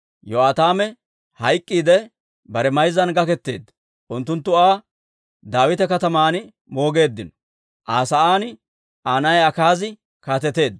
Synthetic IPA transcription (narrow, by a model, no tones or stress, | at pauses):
jɔaːt̪aːmɛ | hɐjkʼːiːd̪ɛ | bɐɾɛmɐjzːɐnɡɐkɛt̪ːe̞̰ːd̪ː | ʔʊnt̪ːʊnt̪ːʊaː | d̪aːwɪt̪ɛkɐt̪ɐmaːnɪ | mo̞ːɡe̞ːd̪ːɪnɔ | ʔaːsɐʔaːn | ʔaːnɐjɐkaːzɪ | kaːt̪ɛt̪e̞ːd̪